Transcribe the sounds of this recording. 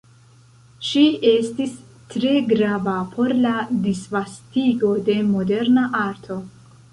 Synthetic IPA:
ʃiestis | tɾe̞ɡɾavapʰo̞ɾladisvastiɡo̞de̞mo̞de̞ɾnaʔaɾtʰo̞

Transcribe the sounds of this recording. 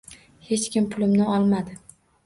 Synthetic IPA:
he̞t͡ʃkʲɪmpʰʊlɪmnɪɒlˠmad̪ɪ

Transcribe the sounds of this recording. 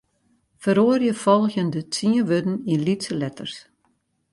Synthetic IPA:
fəɾoərjəfɔlˠxjəndət͡siəʋødn̩inlitsəlɛtərs

